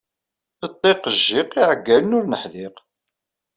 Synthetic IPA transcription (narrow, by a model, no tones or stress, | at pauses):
ət̪ˤːeqəʒːɪqiʕəɡːælənʊɾnəħðɪq